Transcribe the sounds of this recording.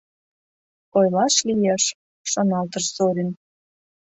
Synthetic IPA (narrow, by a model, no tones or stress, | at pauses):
ojlɑʃlijeʃː | onɑlt̪əʃsoɾʲin